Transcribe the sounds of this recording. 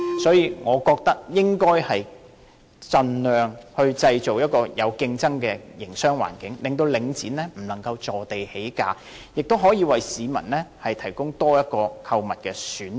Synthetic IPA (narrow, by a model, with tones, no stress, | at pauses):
sɔː˨˥jiː˨˧ŋɔː˨˧kɔː˧k̚t̪ɐ˥k̚jɪ˥ŋkɔː˥jhɐ˨j | t͡sɐ˨nlœː˨ŋhɵ˧ɥt͡sɐ˧jt͡so˨wjɐ˥t̚kɔː˧jɐ˨˧wkɪ˧ŋt͡sɐ˥ŋkɛː˧jɪ˨˩ŋsœː˥ŋwa̰ː˨˩nkɪ˨˥ŋlɪ˨ŋt̪̬o˧wlɪ˨˧ŋt͡siː˨˥nlɛː˥m̩˨˩lɐ˨˩ŋkɐ˧wt͡sɔː˨t̪e˨jhe˨˥jka̰ː˨˧ | jɪ˨k̚t̪o˥wɦɔː˨˥jiː˨˧wɐ˨jsiː˨˧mɐ̰˨˩nlɛː˥hɐ˨jt̪ʰɐ˨˩jkʊ˥ŋt̪ɔː˥jɐ˥t̚kɔː˧kʰɐ˧wmɐ˨t̚kɛ˧syː˨˥n